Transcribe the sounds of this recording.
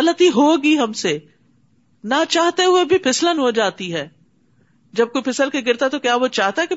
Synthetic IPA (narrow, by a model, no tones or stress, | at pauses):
ɐlət̪iɦoːɡiɦɐmse | nat͡ʃaːɦt̪eɦʊebʱipʰɪslənɦod͡ʒaːt̪iɦɛː | d͡ʒɐb̚koːipʰɪsəlkeɡɪɾt̪at̪okjaːʋot͡ʃaːɦt̪aɦɛke